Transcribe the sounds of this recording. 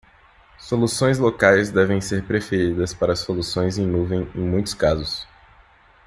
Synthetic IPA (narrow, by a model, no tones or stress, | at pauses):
solusõj̃zlokajzd̪ɛvẽj̃seɾpɾefeɾid̪ɐspaɾɐsolusõj̃zẽj̃nuvẽj̃ẽj̃mũj̃t̪ʊ̥skazʊs